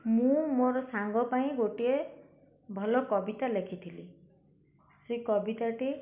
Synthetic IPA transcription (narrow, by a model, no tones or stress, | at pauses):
mũmoɾɔsaŋɡɔpaĩɡoʈie | bʱɔlɔkɔbit̪alekʰit̪ʰili | sekɔbit̪aʈi